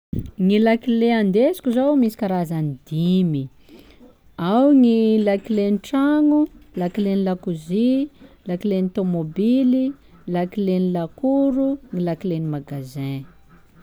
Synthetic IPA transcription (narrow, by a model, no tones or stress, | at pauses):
ŋilakileand̪esi̥kʲuzowmisi̥kʲaɾazanid̪imi | awŋilakileniʈ͡ʂaŋulakilenilakuzi | lakilenit̪omobili | lakilenilakuɾuŋilakilenimaɡazẽ